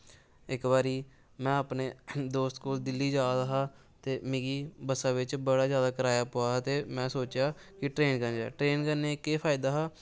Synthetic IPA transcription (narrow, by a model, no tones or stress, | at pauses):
ɪkbaːɾiː | mɛ̃ːaːpneːd̪oːst̪koːld̪ɪlːiːd͡ʒaːd̪aɦaː | t̪eːmẽːɡiːbəsãːʋɪt͡ʃbəɽaːzjaːd̪aːkəɾaːjaːpoːaːɦt̪eːmɛ̃ːsoːt͡ʃjaː | kɪʈɾeːnkənd͡ʒaːʈɾeːnkəneːkeːpʰaːɪd̪aːɦaː